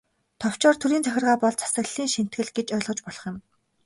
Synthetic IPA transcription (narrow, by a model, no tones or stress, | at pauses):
t̪ʰɔw̥t͡ɕɔːrt̪ʰuɾiːnt͡sʰœxʲɪ̆rʁaːpɔɮt͡sʰḁsə̆ɣɮiːŋʃin̥t̪ɡɘ̆ɮɡet͡ɕœːɮʁɞ̆t͡ɕpɔɮɞ̥̆χjɪ̆m